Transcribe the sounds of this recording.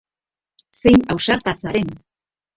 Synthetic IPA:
se̞jnawsaɾt̪asaɾe̞n

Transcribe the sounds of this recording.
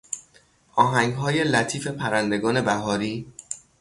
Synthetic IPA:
ʔɒːɦæŋɡɦɒːje̞læt̪ʰiːfe̞pʰæɾænd̪e̞ɡɒːne̞bæɦɒːɾiː

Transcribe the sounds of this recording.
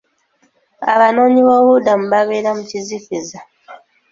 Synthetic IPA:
a̰βano̞ːɲiβoβudamuβaβe̞ːɾamucizifiza

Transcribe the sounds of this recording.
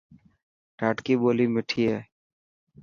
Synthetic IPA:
ʈaːʈkiːboːlimɪʈʰiːɦɛː

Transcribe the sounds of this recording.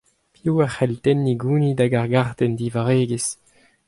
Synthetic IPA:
pjuːaχɛlt̪ɛnːiɡuːnid̪aɡaʁɡaʁt̪ɛnd̪ivaʁeːɡes

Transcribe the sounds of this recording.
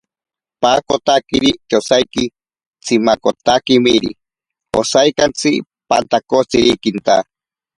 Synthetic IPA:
pakot̪akiɾit̪osajki | t͡sʰimakot̪akimiɾḭ | o̰sajkant͡sʰi | pa̰nt̪akot͡siɾikint̪a

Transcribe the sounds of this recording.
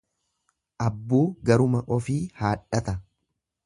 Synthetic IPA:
ʔɐbːuːɡɐɾʊmɐʔɔfiːhaːᶑɐt̪ɐ

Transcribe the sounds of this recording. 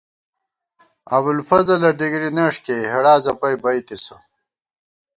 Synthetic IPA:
ɐ̰bulfɐzɐlɐɖiɡɾineʂkeɦɐɽaːzɐpɐjbɐjt̪isɐ

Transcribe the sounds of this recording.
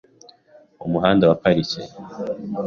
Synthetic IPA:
umuɦaːndawapaɾice

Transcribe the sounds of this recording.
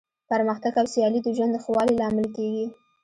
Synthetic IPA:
paɾməxt̪aɡawsijɑlid̪əʒwand̪xwɑlilɑmɪlkeɡi

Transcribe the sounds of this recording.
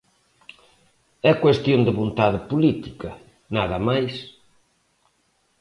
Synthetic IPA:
ɛkwest̪jond̪ɪβont̪aðɪpulit̪ikɐ | naðɐmajs

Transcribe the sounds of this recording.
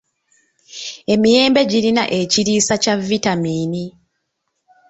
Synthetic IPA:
e̞mije̞ːmbe̞ɟiɾinaʔe̞ciɾiːsacavːitamiːni

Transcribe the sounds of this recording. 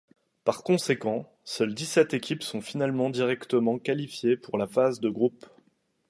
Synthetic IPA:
paʁkɔ̃sekɑ̃ | sœld̪isɛt̪ekʲipsɔ̃finalmɑ̃d̪iʁɛkt̪əmɑ̃kalifjepuʁlafazd̪əɡʁup

